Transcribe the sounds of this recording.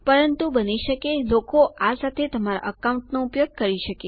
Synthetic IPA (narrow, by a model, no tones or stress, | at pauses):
pəɾənt̪ubəniʃəkelokoʔasat̪ʰet̪əmaɾa̰ʔəkawũɳʈnoupjoɡ̚kəɾiʃəke